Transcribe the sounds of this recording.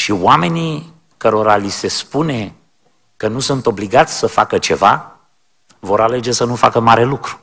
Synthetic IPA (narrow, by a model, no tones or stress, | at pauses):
ʃiwame̞ni | kəɾo̞ɾalise̞spune̞ | kənusunt̪o̞bliɡat̪sʲsəfakət͡ʃe̞va̰ | vo̞ɾale̞d͡ʒe̞sənufakəmaɾe̞lukɾu̥